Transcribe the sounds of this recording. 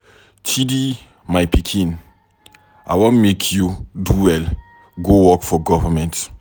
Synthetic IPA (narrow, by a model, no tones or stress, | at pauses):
tʰidi | majpikʰĩn | a̰jwõnmekʰjuduwɛl | ɡowɔkfɔɡɔvamɛ̃nt